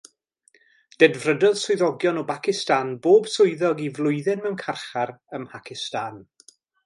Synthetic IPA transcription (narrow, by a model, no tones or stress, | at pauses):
d̥ɛdvrədɔðsʊɨðɔɡjɔnɔbakɪstanboːbsʊɨðɔɡivlˠʊɨðɪnmɛwnkʰarχaɾəmpʰakʰɪstan